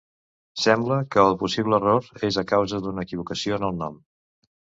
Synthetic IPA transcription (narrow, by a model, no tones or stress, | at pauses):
sɛmbləkəːlˠpusiβ̞ləːroɾezəkawzəd̪unəːkiβ̞ukəsioənəlˠnɔm